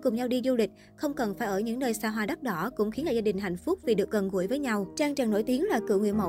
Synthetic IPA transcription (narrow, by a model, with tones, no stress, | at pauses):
kʊ˨˩ŋ͡mɲa˧wɗi˧zu˧lï˨˩k̟̚ | xə˧wŋ͡mkə˨˩nfaː˧˩jʔəː˧˩ɲɨ̰˧˥ŋnəː˧jsaː˧˩ɦwaː˧˩ɗa˦˥t̚ɗɔ˨˦kʊ̰˧˥ŋ͡mxi˨˦nlaː˨˩zaː˧ɗï˨˩ŋ̟ɦa̰˧˨jŋ̟fʊ˦˥k͡p̚vi˨˩ɗɨ˨˩ək̚ɣə˨˩nɣu˧˩əjvəː˨˦jɲa˧wt͡ɕaː˧ŋt͡ɕaː˨˩ŋno̰˧˩jt̪i˨˦ənlaː˨˩kɨ̰˧˨wŋwḭ˧˨ənmə̰˧˨